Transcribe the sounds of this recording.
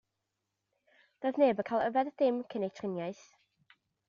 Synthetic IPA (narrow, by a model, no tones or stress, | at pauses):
d̥oːjðneːbəkʰajlˠəvɛðdɪmkʰənejtʰrɪnjaɨθ